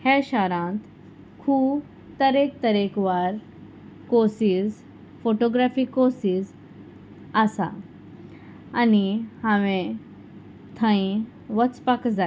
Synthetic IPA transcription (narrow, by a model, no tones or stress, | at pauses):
hɛɕaɾãt̪ | kʰuːb | t̪əɾek̚t̪əɾekʋaɾ | kosiz | foʈoɡɾafiːkosiːz | asa̰ | nihãʋẽ | t̪ʰə̃ĩ | ʋət͡spakd͡za